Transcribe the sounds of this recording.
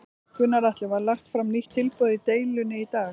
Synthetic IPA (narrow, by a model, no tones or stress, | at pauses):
kʰvʏnːaɾaht̪lɛvaalaht̪fɾamniht̪ʰːɪlpœːðɪt̪eːjlʏnɪit̪aː